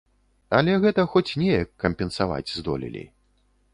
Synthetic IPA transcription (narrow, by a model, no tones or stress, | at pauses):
ɐ̰lʲɛɣɛt̪ɐxɔt͡sʲnʲɛjɐkːɐmʲpʲɛnsava̰d͡zʲzd̪ɔ̰lʲḭlʲḭ